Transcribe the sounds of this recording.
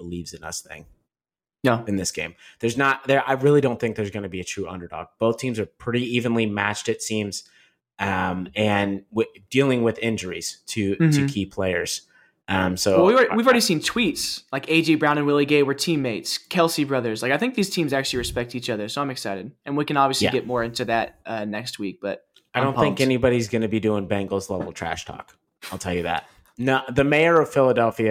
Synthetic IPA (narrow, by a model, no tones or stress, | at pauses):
b̥əlivzɨnʌ̰sθɪ̰̃ŋ | jæɨ̃nðɪsɡ̥ḛ̃ɪ̃mðə˞znət̚ðə˞ʔaɪɹɪlˠidõʊ̃nθɪ̃ŋk̚ðə˞zɡʌnɨbiɨtʰɹ̥ʉʔʌ̰̃ndə˞dɔ̰k̚b̥oʊθtʰĩmzə˞pʰɹ̥ɪɾiivɨ̃nlimæ̰t͡ʃtɨtsĩmz̥ | ʔʌ̃mɨ̃nwɪdilˠɪ̃ŋwɪðɪ̃nd͡ʒə˞ḭz̥tʰɨtʰɨkʰipʰl̥eɪə̰˞z̥ | ʔʌ̃msoʊwɛwivwivl̩ɹɛɾisĩntʰw̥itslaɪkeɪd͡ʒibɹãʊ̃nɨ̃nwɪlˠiɡeɪwə˞tʰĩmːeɪtskʰɛlˠsibɹʌðə˞z̥laɪkaɪθɪ̃ŋk̚ðiz̥tʰĩmzæk̚t͡ʃʉl̩ˠiɹɨspɛk̚tit͡ʃʌðə˞soʊãɪ̃mɨksaɪɾɨd̚ɨ̃nwikɨ̃nɑbviɨsliæɡɛt̚mɔɹɪ̃ntʉðɨt̚ʔʌnɛkst̚wik̚b̥ʌt̚ | aɪɾõʊ̃nθɪ̃ŋkɛnibɑɾizɡʌnɨbidʉɪ̃ŋbæ̃ŋɡl̩ˠzlɛvl̩ˠtʰɹ̥æ̰ʃtʰɔ̰k | aɪlˠtʰɛlˠjɨðæ̰t̚ | noðɨmeɪə˞ʌv̥fɪlˠədɛlˠfiɨ